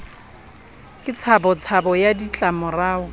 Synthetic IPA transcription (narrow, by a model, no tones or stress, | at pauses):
kʼɪt͡sʰabɔt͡sʰabɔjadit͡ɬʼamʊraːʊ